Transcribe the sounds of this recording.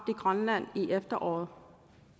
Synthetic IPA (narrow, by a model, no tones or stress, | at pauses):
b̥d̥iɡ̥ʁɶnlæn̰iʔefd̥ɐʔɒ̰ːð̩ˠ